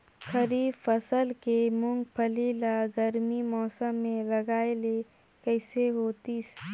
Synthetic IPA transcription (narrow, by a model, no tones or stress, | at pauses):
xəɾiːbfəsəlkemʊ̃ŋɡpʰəlilaɡəɾmimɔːsəmːẽləɡaːele | kəɪseɦoːt̪is